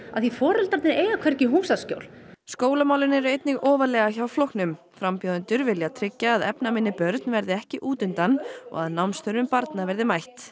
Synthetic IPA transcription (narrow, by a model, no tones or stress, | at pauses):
a̰ðθifɔːɾʏlt̪aɾt̪nɪɾeːjɣakʰvɛɾcɪɦuːmsasco̰ːwlskoːwlamawlɪnɛɾʏejt̪nɪɣʔɔːvalɛːɣaçawflowhknʏm | fɾampjowðʏnt̪ʏɾvɪljat̪ʰɾɪcːaːðɛpnamɪnːɪpœɾt̪nvɛɾðɪɛhcɪʔuːt̪ʏnt̪anːɔ̰ɣaðnawmnst̪œɾʏmpaɾt̪navɛɾðɪmajht̪